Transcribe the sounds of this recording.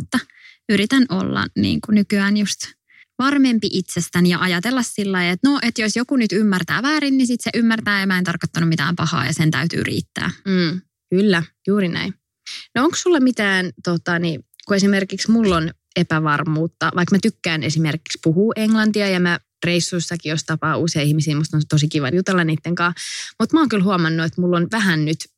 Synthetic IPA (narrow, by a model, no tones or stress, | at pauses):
ut̪ːɑ | yɾit̪ænʔo̰lːɑ̰nḭːŋkunykyæːnjust̪ | ʋɑrmempiʔit̪sest̪ænijɑʔɑjɑt̪elːɑssilːɑiet̪noʔet̪josjokunyt̪ymːært̪æ̰ːʋæːɾinːisit̪seʔymːært̪æːjɑmæent̪ɑrkot̪ːɑnumit̪æ̰ːmpɑhɑ̰ːjɑsent̪æ̰yt̪y̰ːrʔḭːt̪ːæ̰ː | kylːæjuːɾinæ̰in | nooŋkssulːɑmit̪æːnt̪ot̪ɑnikuesimerkiksmulːon | epæʋɑrmuːt̪ːɑʋʔɑikmæt̪ykːæːnesimerkikspuhuːʔeŋlɑnt̪iɑjɑmæ | reisːuisːɑkijost̪ɑpɑːuseiihmisiːmust̪ont̪osikiʋɑ̰njut̪elːɑniːt̪ːeŋkɑ̃ːmut̪mæɑoŋkylhuɑmɑnːuet̪mulːonʋæɦænnyt̪